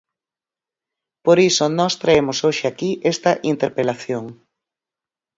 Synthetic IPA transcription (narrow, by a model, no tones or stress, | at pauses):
poɾisonɔst̪ɾaemosoʃɪakiʔest̪ɐʔint̪eɾpelaθjoŋ